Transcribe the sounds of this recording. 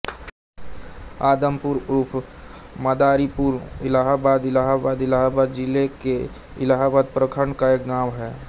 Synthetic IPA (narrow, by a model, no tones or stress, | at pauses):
aːd̪əmpuɾɾuːpʰ | məd̪aːɾipuɾɪlaːɦabaːd̪ɪlaːɦabaːd̪ɪlaːɦabaːd̪d͡ʒɪleke | ɪlaːɦabaːd̪̚pɾəkʰəɳkaeːkɡaːmɦɛː